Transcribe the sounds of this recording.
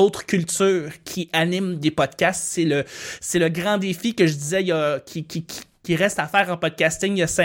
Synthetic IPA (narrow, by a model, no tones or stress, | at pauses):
ot̪χə̥kʲylt̪syːʁkʲʰiʔanɪmd̪epɔd̪̚kʲast̪seləseləɡʁɑ̃d̪efikəʒəd̪izɛjʌkʲʰikʲʰikʲʰi̥kʲiʁɛst̪afɛːʁɑ̃pɔd̪̚kʲast̪ɪŋjasɛ̃